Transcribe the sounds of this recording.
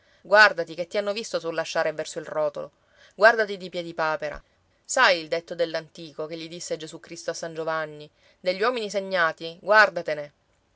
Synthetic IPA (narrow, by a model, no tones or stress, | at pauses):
ɡward̪at̪iket̪ːianːovist̪osulːaʃːaːɾevɛrsoilrɔːt̪o̰lo̰ | ɡward̪at̪id̪ipjɛd̪ipaːpeɾa̰ | sajild̪et̪ːod̪elːant̪iːkokeʎːid̪isːed͡ʒesukːɾist̪oasːand͡ʒovanːi | d̪eʎːwɔminiseɲːaːt̪iɡward̪at̪ene